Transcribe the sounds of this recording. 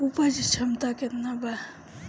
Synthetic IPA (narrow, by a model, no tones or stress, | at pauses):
upad͡ʒt͡ʃʰəmt̪aket̪naba